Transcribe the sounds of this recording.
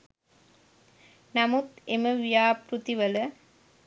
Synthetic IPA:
nɐmut̪eməʋijaːpɾut̪iʋələ

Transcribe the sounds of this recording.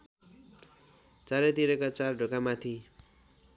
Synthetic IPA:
t͡saɾet̪iɾʌkat͡sarɖʱokamat̪ʰi

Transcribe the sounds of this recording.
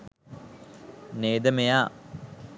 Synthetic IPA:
neːd̪əmejaː

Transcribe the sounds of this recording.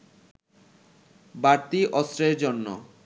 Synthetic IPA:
baɾt̪iʔɔst̪ɾeɾd͡ʑonːo

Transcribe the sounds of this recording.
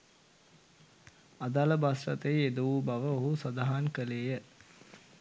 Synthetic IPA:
ad̪aləbasrɐt̪əjed̪uʋubaʋəoɦusad̪aɦankəleːjə

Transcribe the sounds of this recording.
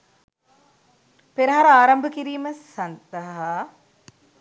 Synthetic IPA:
peɾɐɦaɾɐaːɾɐmbəkiɾiːməsɐnd̪əɦa

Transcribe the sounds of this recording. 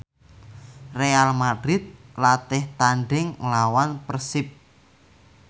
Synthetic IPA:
realmad̥ɾɪt̪̚lat̪ɪht̪anɖɪŋlawanpərsɪp̚

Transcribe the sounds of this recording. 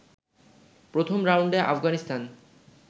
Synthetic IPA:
pɾot̪ʰomɾawɳɖeʔa̰fɡanist̪an

